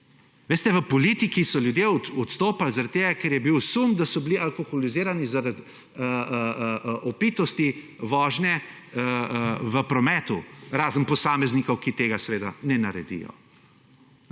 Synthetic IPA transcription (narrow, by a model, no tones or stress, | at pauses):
ʋeːst̪ɛʋəpɔlit̪ikisɔljud̪jeɔt̪st̪oːpalzaɾat̪̚t̪eːɡakɛɾjɛbiwsumd̪asɔbilialkoxɔliziːɾanizaɾat̪ | ə | ʔɔpit̪ɔst̪i | ʋɔːʒnɛ | ʋəpɾɔmɛːt̪uɾaːzənpɔsaːmɛznikɔwkit̪eːɡasɛʋeːd̪a̰nɛnaɾɛd̪ḭjɔ̰